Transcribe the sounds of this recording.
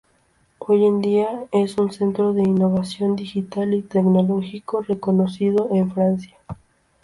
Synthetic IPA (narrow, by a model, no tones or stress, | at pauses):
o̞je̞nd̪iae̞sunse̞nt̪ɾoðe̞inːoβasjo̞nd̪ixit̪alit̪eknolo̞xiko̞reko̞nosið̞o̞ʔeɱfɾansja